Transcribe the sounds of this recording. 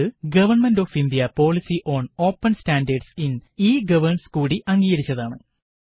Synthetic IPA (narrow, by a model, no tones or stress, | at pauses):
ɨɡɐʋɐrɳmɐndo̞ːfind̪ijɐpo̞ːɭisiʔo̞ːɳo̞ːpːɐnstaːndɐrɖsiniːɡɐʋɐrɳɐskuːɽiʔɐŋɡiːɡɐɾit͡ɕːɐðaːɳɨ